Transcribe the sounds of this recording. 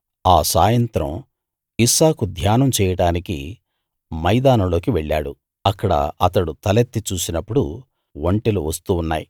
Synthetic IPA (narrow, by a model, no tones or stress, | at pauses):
aːsaːjɐnt̪ɾɐ̰m | isaːkud̪ʱjaːnɐmt͡ʃɛːjɐɽaːnikḭ | mɐjd̪aːnɐlo̞ːkiʋeɭːa̰ːɽu | ɐkːɐɽɐ̰ɐt̪ɐɽut̪ɐlet̪ːit͡ʃuːsinɐpːuɽṵ | ʋoɳʈeluʋɐst̪uːnːaːji